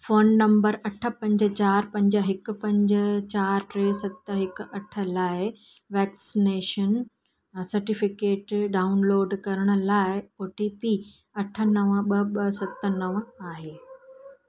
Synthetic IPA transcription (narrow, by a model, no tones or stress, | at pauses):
foːnːɐ̃mbəɾɐʈʰə̆pɐ̃ɲd͡ʑə̆t͡ɕaːɾpɐ̃ɲd͡ʑəɦɪkʊ̆pɐ̃ɲd͡ʑət͡ɕaːɾʈɾeːsɐt̪əɦɪkʊ̆ɐʈʰə̆laːɪ | ʋɛːksineːʃən | sɐɾʈɪfɪkeːʈɖaːʊnloːɖkɐɾəɽ̃ʊ̆laːɪoːʈiːpiː | ɐʈʰə̆nɐʋəɓɐɓɐsɐt̪ə̆nɐʋaːɦeː